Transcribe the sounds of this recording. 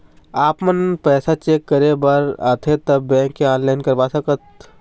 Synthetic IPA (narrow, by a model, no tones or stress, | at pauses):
aːpmənpɛːsat͡ʃeːkːɐɾebaːɾaːt̪ʰet̪ɐbːɛ̃ːkeãːnlaːɪnkɐɾʋaːsɐkət̪